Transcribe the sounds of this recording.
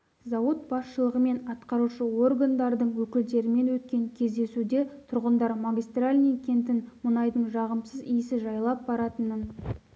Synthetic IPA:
zɑwət̪̚bɑsʃəlˠəʁəme̞nɑt̪qɑɾuʃəwo̞rɡand̪ɑɾd̪əɴwɵkʲɪld̪e̞ɾɪme̞nwɵt̪̚kʲe̞ŋkʲʰe̞zd̪e̞sud̪e̞t̪ʰʊɾʁənd̪ɑɾmaɡʲijst̪ralʲnʲijkʲʰe̞nt̪ɪnmʊnɑjd̪əɴʒɑʁəmsəzijɪsɪʒɑjlˠɑp̚bɑɾɑt̪ənən

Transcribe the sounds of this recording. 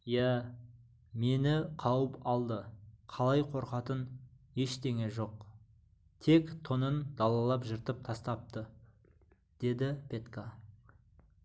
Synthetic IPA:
jæ | me̞nɪqʰɑwəpɑlˠd̪əqʰɑlˠɑjqʰo̞ɾqɑt̪ən | e̞ʃt̪e̞ŋe̞ʒo̞q | t̪ʰe̞kt̪ʰonənd̪ɑlˠɑlˠɑpʒɪɾt̪əp̚t̪ʰɑst̪ɑp̚t̪ə | d̪̥e̞d̪ɪpʲʰe̞t̪ka

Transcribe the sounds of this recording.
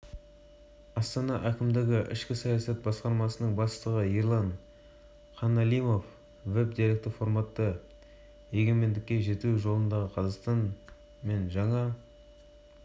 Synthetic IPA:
ɑst̪ɑnɑʔækʲɪmd̪ɪɡʲɪʔɪ̰ʃkʲɪsɑjɑsɑt̪̚bɑsqɑɾmɑsənəɴbɑst̪əʁəiɾlˠɑɴ | χɑnɑlijmo̞f | ve̞b̚d̪iɾek̚t̪fo̞ɾmɑt̪ːə | je̞ɡʲe̞me̞nd̪ɪkʲːe̞ʒe̞t̪eʒo̞lˠənd̪ɑʁəqʰɑzɑqst̪ɑn | me̞nʒɑɴɑ

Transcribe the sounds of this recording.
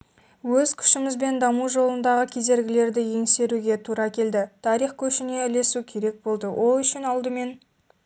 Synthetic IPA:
wɵzkʲʰʏ̥ʃɪmɪzbe̞nd̪ɑmuʒo̞lˠənd̪ɑʁəkʲʰe̞ze̞ɾɡʲɪle̞ɾd̪ɪje̞ŋse̞ɾuɡʲe̞t̪ʰuɾɑkʲʰe̞ld̪ɪt̪ʰɑɾiχkʲʰɵʃɪne̞ɪle̞sukʲʰe̞ɾe̞k̚bo̞lˠd̪əwʔo̞lˠʏʃɪnɑlˠd̪əme̞n

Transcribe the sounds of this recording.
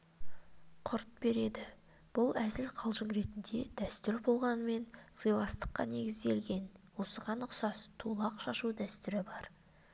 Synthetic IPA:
qʰʊɾt̪̚be̞ɾe̞d̪ɪ | b̥ʊlˠæzɪlqʰɑlˠʒəɴɾe̞t̪ɪnd̪e̞̰d̪̥æst̪ʏɾbo̞lˠʁɑnəme̞nz̥əjlˠɑst̪ə̥qːɑ̰ne̞ɡʲɪzd̪e̞lɡʲe̞nwo̞səʁɑnʊqsɑst̪ʰulˠɑqʃɑʃud̪æst̪ʏɾɪbɑɾ

